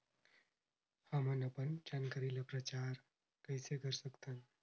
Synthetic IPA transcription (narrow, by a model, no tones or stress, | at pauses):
hɐmənɐpənd͡ʒaːnkaɾiləpɾat͡ʃaːɾ | kəɪseɡʱəɾsəkt̪ãn